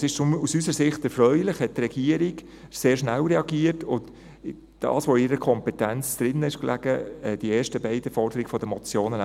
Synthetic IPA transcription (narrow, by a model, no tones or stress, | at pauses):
sɪʃt͡ʃʊmusysəɾsɪχtɛɾfɾœʏlɪχhɛt̚trɛɡ̥iəɾiɡ | seːɹʃnælɾɛɑɡiətʊnt | d̥ɑ̰ːsʋoɪɾəkʰɔmpɛtænt͡sd̥ɾɪnɪʃklʔæ̰ɡ̥əɛd̥ieːɾʃtəbɛɪd̥əfɔɾd̥əɾiɡ̥fɔd̥̪əmɔt͡sjoːnən